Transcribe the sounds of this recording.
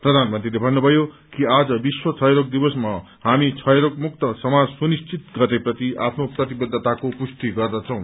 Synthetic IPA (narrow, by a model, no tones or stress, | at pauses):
prʌd̪ʱanmʌnt̪rilebʱʌnːubʱʌjo | kiad͡zʌbiswʌt͡sʰʌjɾok̚d̪ibʌsma | ɦamit͡sʰʌjɾokmuk̚t̪ʌsʌmad͡zsunist͡sit̪ɡʌrd̪eprʌt̪iʔapʰnoprʌt̪ibʌd̪ʱːʌt̪akopust̪iɡʌrd̪ʌt͡sʰʌ̃w̃